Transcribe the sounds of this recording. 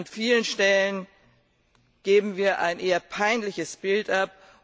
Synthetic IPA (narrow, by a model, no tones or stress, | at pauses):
nfiːlənʃtɛlən | ɡ̥eːbm̩viːɐʔa̰ɪnʔeːɐpʰaɪnlɪçəsb̥ɪltʔap̚